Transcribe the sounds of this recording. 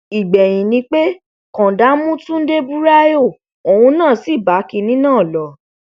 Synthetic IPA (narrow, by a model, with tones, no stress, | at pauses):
i˨ɡ͡bɛ˨j̃ĩ˨nĩ˧k͡pe˦ | kɔ̃˨da˨˦mũ˦tũ˦n̩˦de˦bu˦ɾa˦jo˦˨ | o˨wũ˧nãː˦˨si˦˨ba˨˦ki˧nĩ˦nãː˦˨lɔ˨˦